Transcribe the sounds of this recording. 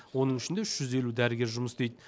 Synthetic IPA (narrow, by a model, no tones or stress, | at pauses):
wo̞nəɴɪʃɪnd̪eʏʃʒ̥ʏze̞lud̪æɾɪɡʲe̞ɾʒʊməsd̪e̞jd̪